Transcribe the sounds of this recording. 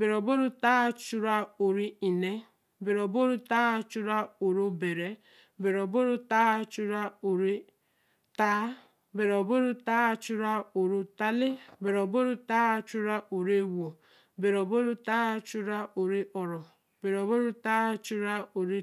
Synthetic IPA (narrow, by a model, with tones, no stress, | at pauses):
be˨ɾɔ˨bo˦ɾu˦ta˦t͡ʃu˦ɾa˦o˨ɾi˦i˨ne˦ | be˨ɾɔ˨bo˦ɾu˦ta˦t͡ʃu˦ɾa˦o˨ɾu˦be˨ɾe˨ | be˨ɾɔ˨bo˦ɾu˦taː˦t͡ʃu˦ɾa˦o˨ɾi˦ | ta˦ | be˨ɾɔ˨bo˦ɾu˦taː˦t͡ʃu˦ɾa˦o˨ɾu˦ta˦le˦be˨ɾɔ˨bo˦ɾu˦taː˦t͡ʃu˦ɾa˦ʔo˨ɾe˦wo˨ | be˨ɾɔ˨bo˦ɾu˦ta˦t͡ʃu˦ɾa˦ʔo˨ɾi˦ʔɔ˨ɾɔ˨ | be˨ɾɔ˨bo˦ɾu˦ta˦t͡ʃu˦ɾa˦o˨ɾi˦